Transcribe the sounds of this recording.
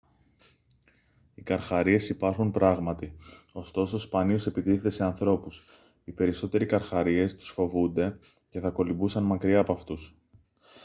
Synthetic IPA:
ikɐɾxɐɾie̞sipɐɾxunpɾɐɣmɐt̪io̞st̪o̞so̞spɐnio̞se̞pit̪iθe̞t̪e̞se̞ɐnθɾo̞pus | ipe̞ɾiso̞t̪e̞ɾikɐɾxɐɾie̞st̪u̥sfo̞vund̪e̞ | ce̞θɐko̞libusɐnmɐkɾiɐːpɐft̪us

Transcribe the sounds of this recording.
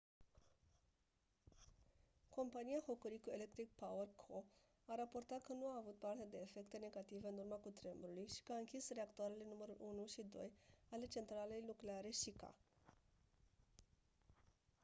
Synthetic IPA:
ko̞mpanijaho̞kəɾikue̞le̞k̚t̪ɾik̚pawərkʰo | aɾaport̪at̪̚kənuaːvut̪̚part̪e̞d̪e̞ːfe̞kt̪e̞ne̞ɡat̪ive̞ɨnurmakut̪ɾembɾulujʃi̥kəaɨŋkʲisreakt̪uaɾele̞numəɾulʔunuʃid̪o̞̰jale̞t͡ʃe̞nt̪ɾale̞jlukleaɾe̞ʃika̰

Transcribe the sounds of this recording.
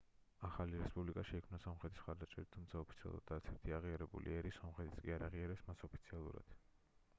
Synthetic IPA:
aχaliɾɛspʼublikʼaʃɛikʰmnasɔmχɾɛt̪ʰismχaɾd̪at͡ʃʼɛɾit̪ʰumt̪sʰaɔpʰit̪sʰia̰lˠṵɾa̰d̪aɾt̪sʰɛɾt̪ʰiaʁiaɾɛbṵlḭɛɾisɔmχɾɛt̪ʰi̥skʼiaɾaʁiaɾɛpsmasɔpʰit̪sʰialˠṵɾa̰d̪̥

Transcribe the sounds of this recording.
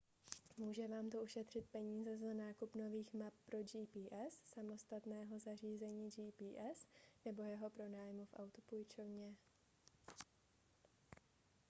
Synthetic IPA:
muːʒɛvaːmt̪oʔuʃɛt̪r̝̥ɪt̪̚pɛɲiːzɛzanaːkupno̞viːxmap̚ːɾo̞d͡ʒiːpiːʔɛsːamo̞st̪at̪nɛːɦo̞zar̝iːzɛɲiːd͡ʒiːpiːʔɛsnɛbo̞jɛɦo̞pɾo̞naːjmufʔa̰wt̪upujt͡ʃovɲɛ

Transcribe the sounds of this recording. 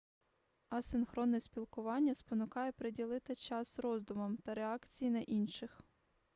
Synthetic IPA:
ɐsɪnxɾɔnːɛsʲpʲilˠkʊʋɑnʲːɐspɔnʊkɑjɛpɾedʲilˠɪt̪ɪt͡ʃɑsrɔzd̪ʊmɐmt̪ɐɾeɑkt͡sʲijinɐʔinʃɪx

